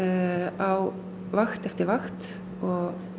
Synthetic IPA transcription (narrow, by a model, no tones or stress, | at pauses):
ʔɑʊ | ʋɑxt̪ɛft̪əʋɑxt̪ | ʔoː